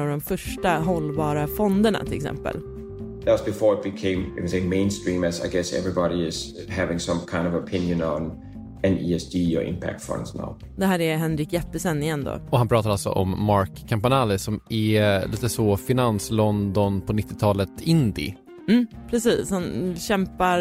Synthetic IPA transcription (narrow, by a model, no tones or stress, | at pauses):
avd̪ɔmfœʂʈaɦɔlːbɑːɾafɔnd̪əɳa̰t̪ʰɪlɛksɛ̰mpə̰l | ðæsb̥ɪfɔɹət̚b̥ɨkʰẽɪ̃mɨknseɪmẽɪ̃nstɹ̥ĩməsa̰ɪɡɛsɛ̰vɹɪbɑɾiɪz̥hævɪ̃ŋsʌ̃mkʰãɪ̃ndʌvəpʰɪ̃njɨ̃nə̃n | ɛ̃nḭɛsdijə̰ʔɪ̰̃mpʰæ̰k̚tfʌ̰̃ndsna̰ʊ | d̪ɛɦæːɾɛɦɛnɾɪkjɛt̪ːəsɛnːɪjɛnd̪o̰ɔhanpɾɑːt̪aɾalsɔ̰ʔɔmːaɹkʰːampanaːlɪsɔmɛliːt̪əsɔfɪnanslɔnd̪ɔnpʰɔnɪt̪ːɪt̪ʰɑːlət̪ʰɪnd̪ɪ̰ | m̩ːpʰɾɛsiːshanɕɛmpa